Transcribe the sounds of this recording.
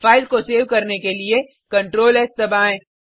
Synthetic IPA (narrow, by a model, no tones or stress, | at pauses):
faːɪlkoseːʋkɐɾnekelie | kɐ̃ɳʈɾoːlɛːst̪ɐbaːẽː